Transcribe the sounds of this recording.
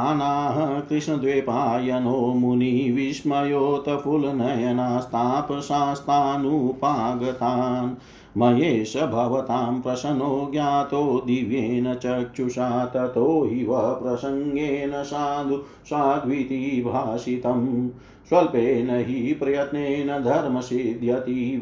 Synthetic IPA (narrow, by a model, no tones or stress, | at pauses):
anaːɦɐkɾiʂnɐd̪ʋeːpaːjɐnoːmuniʋiʃmɐjoːt̪ɐpʰulnɐjɐnaːst̪ʰaːpɐʃaːst̪ʰaːnupaːɡɐt̪aːn | mɐjeːʃɐbʱɐʋɐt̪aːmpɾɐʃɐnoːɡjaːt̪oːd̪iʋjeːnɐt͡ʃɐt͡ʃuʃaːt̪ɐt̪oːɦiʋɐɦɐpɾɐsɐŋɡeːnɐʃaːnd̪ʱu | ʃaːɡ̪ʱʋit̪ibʱaːʃit̪ɐm | ʃʋɐlpeːnɐɦipɾɐjɐt̪neːnɐd̪ʱɐɾmɐsid̪ʱjɐt̪i